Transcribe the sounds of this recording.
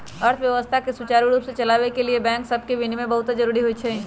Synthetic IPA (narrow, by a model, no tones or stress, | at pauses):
ɐɾt̪ʰʋjɐʋəst̪ʰakeswut͡ʃaːɾiɾuːpset͡ʃɐlaːʋekeliebɛ̃ːŋksɐb̚kebʱinmẽbɐɦʊt̪ad͡ʒɐɾuːɾiɦoit͡ʃʰɛ